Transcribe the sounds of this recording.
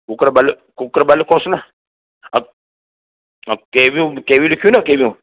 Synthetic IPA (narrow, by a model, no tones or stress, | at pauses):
kukɾabali | kukɾabalːikõsuna | a | akebikebilikʲunakebĩ